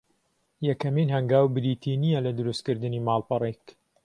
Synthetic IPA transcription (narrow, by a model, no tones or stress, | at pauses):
jɐkɐminhɐŋɡaːwbɨɾiːt̪ʰinijɛlɐd̪ʊɾust̪kɨɾd̪ɨniːmaːlˠpɐrˤek